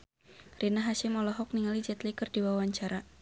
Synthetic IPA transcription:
rinaɦaʃɪmɔlɔɦɔk̚niŋalid͡ʒɛt̪likərdiwawaɲt͡ʃaɾa

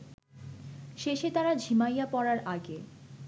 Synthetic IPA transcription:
ʃeʃet̪aɾad͡ʑʱimajapɔɾaɾʔaɡe

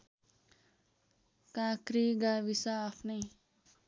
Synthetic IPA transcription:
kaːkɾiɡaʋisaːfʰne

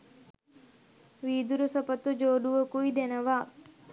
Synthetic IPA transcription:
ʋiːd̪uɾusɐpɐt̪ud͡ʒoːɖuʋəkuid̪enɐʋaː

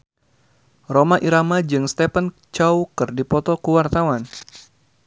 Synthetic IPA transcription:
romaʔiɾamad͡ʒɨŋst̪ɛpən | t͡ʃawkɨrdipɔt̪ɔkuwart̪awan

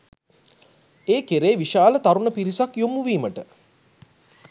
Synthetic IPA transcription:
eːkeɾeːʋiʃaːlət̪aɾunəpiɾisakjomuʋiːməʈə

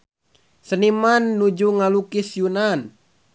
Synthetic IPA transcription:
sənimanːud͡ʒuŋalukisjunan

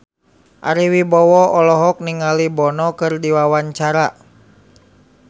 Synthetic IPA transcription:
ʔa̰ɾiwibɔwɔɔlɔɦɔk̚niŋalibɔnɔkɨrdiwawaɲt͡ʃaɾa

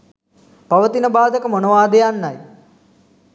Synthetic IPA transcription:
paʋət̪inəbaːd̪əkəmonoʋaːd̪ejanːaj

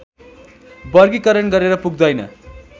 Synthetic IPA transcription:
bʌrɡikʌɾʌnɡʌɾeɾʌpuɡ̚d̪ʌjnʌ̰

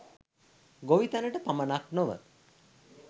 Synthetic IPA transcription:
ɡoʋit̪anəʈəpamənaknoʋə̰

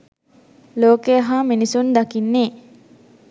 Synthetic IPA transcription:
loːkejaɦaːminisund̪akinːeː

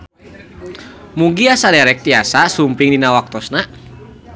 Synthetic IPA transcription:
muŋɡiasadɛɾɛk̚t̪iasasumpɪŋdinawak̚t̪ɔsna

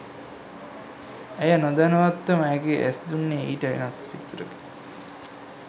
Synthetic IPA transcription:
æjənod̪ænəʋat̪ːəməæɡeʔæ̰sd̪unːeiːʈəʋḛnasfit̪ːɾəɡe̥

